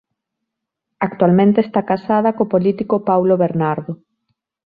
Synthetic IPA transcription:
akt̪walmẽnt̪est̪akasað̞ɐkopolit̪ikopawloβeɾnaɾðo

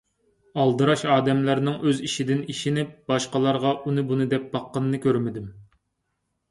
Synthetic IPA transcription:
ɑlˠd̪ɨɾɑʃɑːd̪ɛmlæɾnɪŋʔøziʃid̪ɪniʃinɪb̥ɑʃqɑlˠɑɾʁɑʔunɨbunɨd̪ɛp̚b̥ɑqːənɨːɨkʲʰøɾmɪd̪ɪm

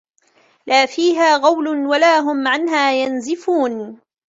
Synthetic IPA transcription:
lʔaːfiːɦaːɣɑwlʊnwalaːɦʊmʕanɦaːjanzɪfuːn

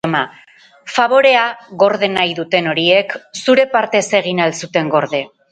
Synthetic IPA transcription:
ma | faβ̞o̞ɾe̞aɣo̞ɾðe̞najðut̪e̞no̞ɾie̞ksuɾe̞paɾt̪e̞se̞ɣ̞inalsut̪e̞ŋɡo̞ɾð̞e̞

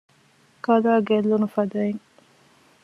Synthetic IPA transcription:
kɐlaːɡelːunufɐd̪ɐeŋ

